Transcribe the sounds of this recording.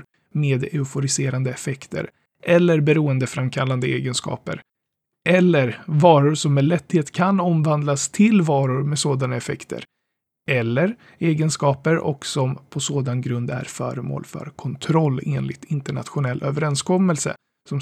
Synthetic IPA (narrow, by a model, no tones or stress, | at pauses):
meːd̪ɛʊfʊɾɪseːɾand̪əɛfɛkt̪ʰə̰ɾ | ʔɛlːəɾbɛɾuːənd̪əfɾamkʰalːand̪əḛːɡənskɑ̰ːpə̰ɾ | ʔɛlːəɾvɑːɾʊɾʂɔmːɛlɛt̪ːheːt̪kʰanɔmvand̪last̪ʰɪlvɑːɾʊɾmɛsoːd̪anaɛfɛkt̪ʰə̰ɾ | ʔɛlːəɾ | eːɡənskɑːpəɾɔ̰ksɔmpʰɔsoːd̪anɡɾɵnd̪æ̰ɾfœ̰ːɾəmo̰ːlfœ̰ɾkʰɔnt̪ʰɾɔlːeːnlɪt̪ʰɪnt̪əɳa̰t̪ɧʊnɛlːʔøːvəɾɛnskʰɔmːɛlsə̰ | sɔm